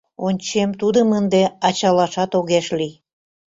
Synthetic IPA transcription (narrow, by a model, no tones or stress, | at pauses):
onʲt͡ɕemt̪ud̪əmənd̪eɑt͡ɕɑlɑʃɑt̪oɣeʃlij